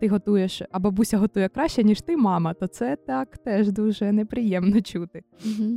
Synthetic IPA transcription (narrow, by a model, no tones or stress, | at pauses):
t̪ɪɦɔt̪ujɛʃɐbɔbusʲɐɦɔt̪ujɛkɾɑʃt͡ʃɛnʲiʃt̪ɪmɑmɐt̪ɔt̪sɛt̪ɑkt̪ɛʒd̪uʒɛnepɾɪjɛmnɔt͡ʃut̪ɪm̩ɦ̩